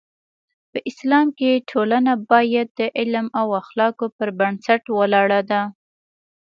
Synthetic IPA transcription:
pəʔɪslɑmkeʈʰolanabɑjad̪̚ːəʔɪlmawaxlɑkopəɾbansaʈwəlɑɽad̪a

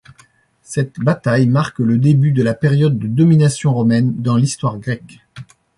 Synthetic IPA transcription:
sɛt̪bat̪ajmaʁkləd̪ebyd̪əlapeʁjɔd̪ːəd̪ɔminasjɔ̃ʁɔmɛnd̪ɑ̃list̪waʁɡʁɛk

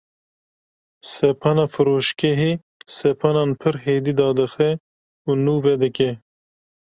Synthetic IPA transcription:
sɛpʰɑnɑːfɨɾoːʃkɛɦe | sɛpʰɑnɑːnpʰɨɾɦeːd̪iːd̪ɑːd̪ɨxɛ | unuːvɛd̪ɨkɛ

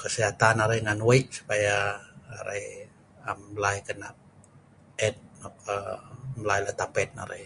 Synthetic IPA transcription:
kəsiɦat̪anaɾaŋanwaiʔ̚su̥pajaːɾḛj | amlajkənaʔ | ɛt̪̚nɔkəmlajlaht̪apɛt̪̚na̰ɾḛj

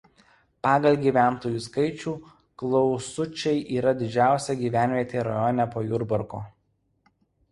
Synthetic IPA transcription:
pɑːɡɐlʲɡʲiːʋʲæˑnt̪oːjuːskɐɪt͡ʃʲuː | klˠɔʊsʊt͡ʃʲɛɪʔiːɾɐd̪ʲɪd͡ʒʲæˑʊsʲɛɡʲiːʋʲæˑnʲʋʲiɛt̪ʲeːɾɐjɔnʲɛpoːjʊɾbʊɾkoː

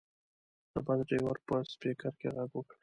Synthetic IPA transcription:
d̪əbad̪ɖewaɾpəspekaɾkʲeɣaɡwəkɽ

